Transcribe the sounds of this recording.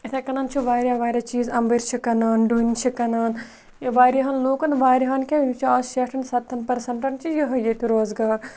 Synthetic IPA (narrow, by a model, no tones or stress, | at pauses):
ɐt̪ʰɐkɐnɐnt͡ʃʰuʋaːɾʲjaːʋaːɾʲɐt͡ʃiːzɐmbɐɾt͡ʃʰikɐnaːnɖunʲt͡ʃʰikɐnaːn | jɐʋaːɾʲjɐɦɐnloːkɐnʋaːɾʲɦɐːnkʲeit͡ʃʰiaːsʃeːʈʰɐnsɐt̪ʰːɐnpɐɾsɐɳʈɐnt͡ʃʰijiɦɐjet̪iɾoːzɡaːɾ